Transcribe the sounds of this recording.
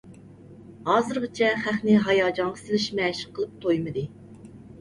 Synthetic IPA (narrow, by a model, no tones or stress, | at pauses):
hɑːzɨɾʁət͡ʃʰɛχæχnɪɦɑjɑːd͡ʒɑŋʁəsɪlɪʃmɛːʃɪqʰːəlˠɨp̚t̪ʰojmɨd̪ɨ